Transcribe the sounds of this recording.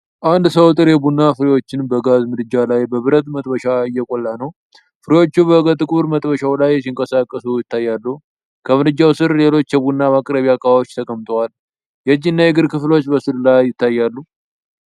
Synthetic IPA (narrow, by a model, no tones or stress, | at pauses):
ʔand̪səwt̪ʼɨɾjɛbunːafɨɾijwo̞t͡ʃːɪnbəɡazmɨd̪ɨd͡ʒːalajbəβɨɾət̪mət̪ʼbəʃaɨjːɛkʼolːanəw | fɨɾijwo̞t͡ʃːubəɨɡət̪ʼːɨkʼuɾmət̪ʼbəʃawlajːɛsiŋkʼəsakʼːəsujɪt̪ːajːalːu | kʰəmɨdɨd͡ʒːawsɨɾle̞lo̞t͡ʃːjɛbunːamakʼɾəβijakʼaβawot͡ʃːt̪ʰəkʼəmt̪ʼəwal | jɛd͡ʒːinːajɛɡɨɾkʰɨflo̞t͡ʃːbəsɨɾlajːɪt̪ʰːajːalːu